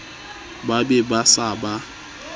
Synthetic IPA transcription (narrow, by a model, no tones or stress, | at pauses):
babebasaba